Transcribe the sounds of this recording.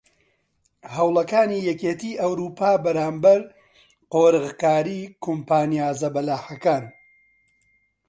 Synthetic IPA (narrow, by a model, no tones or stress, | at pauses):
hɐwlˠɐkaːnijɛkeːt̪ʰiːʔɐwɾuːpʰaːbɐɾaːmbɐɾ | qoːɾɨɣkaːɾiːkʰompaːnijaːzɐbɐlaːħɐkaːn